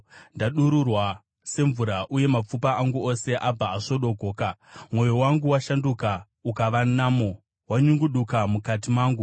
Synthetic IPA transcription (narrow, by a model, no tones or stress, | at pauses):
ndaɗuɾurwa | se̞ɱvuɾaʔuje̞map͡fupaaŋɡuose̞ʔab͡vaːʂo̞ɗo̞ɡʱo̞ːkamwo̞jowaŋɡuwaʃanduka | ukaʋanaːmo | waɲuŋɡuɗukamukat̬imaːŋɡu